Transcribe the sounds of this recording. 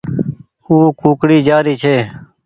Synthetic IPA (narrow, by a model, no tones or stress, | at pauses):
uːkuːkɽiːd͡ʒaːɾiːt͡ʃʰeː